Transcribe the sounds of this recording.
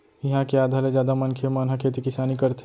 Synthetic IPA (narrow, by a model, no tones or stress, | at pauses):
jɐɦãkeaːd̪ʱaled͡ʒjaːd̪amɐnkʰemaːnɦãkʰeːt̪ikɪsaːnikɐɾt̪e